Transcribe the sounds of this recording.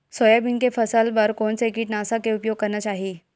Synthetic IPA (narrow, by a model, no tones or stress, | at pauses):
sojabinkefəsəlʋəɾkonsekiʈnaəsakeupjoɡ̚kəɾɳnət͡ɕaɦi